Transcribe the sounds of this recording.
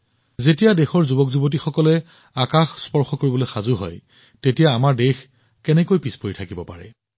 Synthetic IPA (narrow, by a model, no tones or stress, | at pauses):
zetijadexɔɹzubɔkzubot̬ixɔkɔlɛ | akaxspɔɹxɔkoɹibɔlojxazʊɦɔ̰j | tetijaːmaɹdex | kɛnɛkojpispoitʰakibɔpaɹɛ̰